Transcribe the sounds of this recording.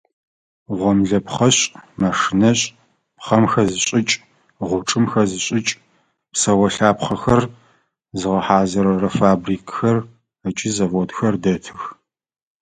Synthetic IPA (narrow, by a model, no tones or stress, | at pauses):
ʁʷɔmɮɐpχɐɕʼmɐʂɨnɐɕʼ | pχɐmxɐzɨɕɕʼɪt͡ʃʼ | ʁʷʊʈ͡ʂʼɨmxɐzɨɕʼɪt͡ʃʼ | psɐwɐɬaːpχɐxɐr | zɨʁɐħaːzɐɾɐrɐfaːbriːkʰxɐr | ɐt͡ʃʼɪzɐvoːdxɐrdɐtʰɨx